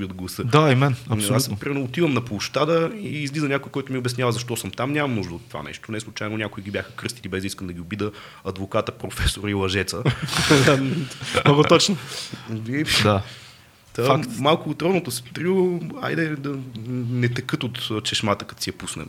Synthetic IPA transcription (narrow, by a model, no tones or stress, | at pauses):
iod̪̚ɡlˠɐsəd̪aimɛnɐsaspɾimɛɾnoːt̪ivəmnɐplˠʊʃt̪ad̪əiːzlizənʲakoikɔjt̪ʊmioʊbɛsnʲavɐzɐʃt̪ɔsəmt̪amnʲamɐmnuʒd̪əot̪ːva̰nɛ̰ʃt̪onɛslˠʊt͡ʃajnʊnʲakʊiɡʲibʲjaxəkɾɤst̪ilʲibɛzd̪iskəmd̪ɐɡʲiʊbid̪ə | ɐd̪vokat̪əpɾofɛsoɾilˠɐʒɛt̪sə | ɔɡot̪ɔt͡ʃno | id̪a | t̪amalˠkʊːt̪ɾɔd̪not̪ost̪ɾia̰jd̪ɛd̪ɐnɛt̪ɛkɤt̪ot̪t͡ʃɛʃmat̪əkɐ̥t̪siɛpusnɛ̰m